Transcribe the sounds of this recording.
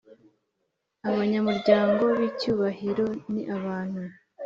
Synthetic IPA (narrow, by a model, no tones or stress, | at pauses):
aβaɲamuɾɟaːŋɡo̞βicuːβahiɾo̞niʔaβaːn̥hu